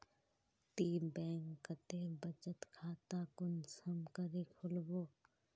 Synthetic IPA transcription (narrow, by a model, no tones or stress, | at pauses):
t̪iːmbɛ̃ːŋkːət̪eːbət͡ʃət̪kʰaːt̪aːkʊnsəmkəɾikʰʊlboː